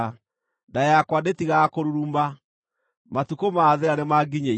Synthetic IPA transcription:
ndajakwandetiɣakoɾuɾumba | matukomaːðeɾanemaɡiɲe

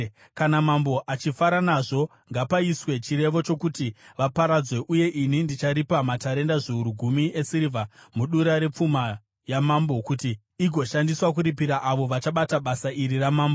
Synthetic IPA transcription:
kanamambo̞ʔat͡ʃifaɾanaʐo̞ | ŋɡapaiswe̞t͡ʃire̞ʋo̞t͡ʃo̞kutiʋapaɾad͡zwe̞ʔuje̞ʔinindit͡ʃaɾipamataɾe̞ndaʐeuɾuɡʱumiesiɾivʱamuɗuɾaɾe̞p͡fuma | jamambo̞kutiː | ɡʱo̞ʃandiswakuɾipiɾaʔaʋo̞ʋat͡ʃaɓataɓasaʔiɾiramaːmbo

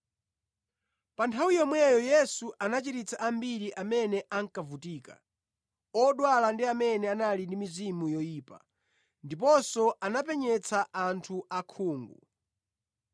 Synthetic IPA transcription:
pantʰawijɔmwɛjɔjɛsuʔanat͡ʃiɾit͡sʰaʔambiɾiʔamɛnɛʔaŋkavutiːka̰ | ɔɗwalandiamɛnɛanalindimizimujɔjiːpa̰ | ndip̬ɔsɔʔanap̬ɛɲɛt͡sʰaantʰuʔakʰuːŋɡṵ

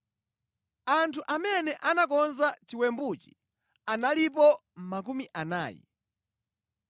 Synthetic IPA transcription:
antʰuʔamɛnɛʔanakɔnzat͡ʃiwɛmbut͡ʃi̥ | analip̬ɔm̩makumiʔana̰ːjḭ

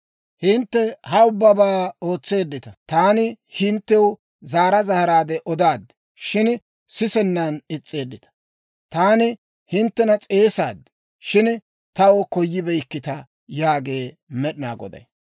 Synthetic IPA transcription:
hɪnt̪ːɛhɐʊbːɐbaːo̞ːt͡sːe̞ːd̪ːɪt̪ɐt̪aːnɪ | hɪnt̪ːɛw | zaːɾɐzɐhɐɾaːd̪ɛʔɔd̪aːd̪ | ʃɪn | sɪsɛnːɐnɪt͡sʼːe̞ːd̪ːɪt̪ɐ̥ | t̪aːnɪ | hɪnt̪ːɛnɐt͡sʼe̞ːsa̰ːd̪ | ʃɪn | t̪ɐwɔkɔjːɪbɛjkːɪt̪ɐ | jaːɡe̞ː | mɛɗɪna̰ːɡɔ̰d̪ɐ̰j

